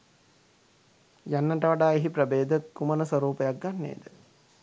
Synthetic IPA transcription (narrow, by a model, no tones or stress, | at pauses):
janːəʈəʋaɖaːeɦipɾəbeːd̪əkumənəsʋəɾuːpəjak̚ɡanːḛːd̪ə